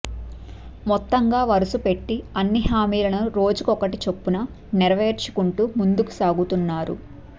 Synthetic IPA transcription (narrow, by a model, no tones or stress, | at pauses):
mɔt̪ːɐŋɡaːʋɐɾusupe̞ʈːiɐnːiɦaːmiːlɐnɐɾo̞ːd͡ʒukɔkɐʈit͡ʃepːunɐ | nɛɾɐʋe̞ːɾt͡ʃi̥kuɳʈumund̪uku̥saːɡut̪unːaːɾṵ